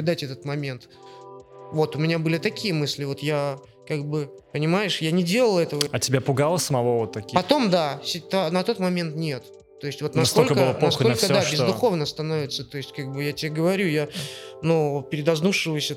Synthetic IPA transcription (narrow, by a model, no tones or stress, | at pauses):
d̪atʲɛt̪ət̪mɐmʲe̞nt̪ | vo̞t̪ʊmʲɪnʲabɨlʲɪt̪ɐkʲijəmɨsʲlʲɪvo̞t̪ja | kaɡ̚bɨpənʲɪmajɪʂjanʲɪdʲe̞lˠəlˠɛt̪əvəɐtʲɪbʲapʊɡalˠəsəmɐvovot̪ːɐkʲipɐt̪o̞md̪asʲɪt̪anɐt̪o̞t̪mɐmʲe̞nt̪nʲe̞t̪ː | o̞ɪsʲtʲvo̞t̪nɐsk̪o̞lkəkəɨɐsolʲkədd̪abʲɪzd̪ʊxo̞vnəst̪ɐno̞vʲɪt̪sət̪o̞ɪsʲtʲkaɡ̚bɨjatʲɪaɡəvɐɾʲujanupʲɪɾʲɪd̪ɐznuʂːɨvəsʲə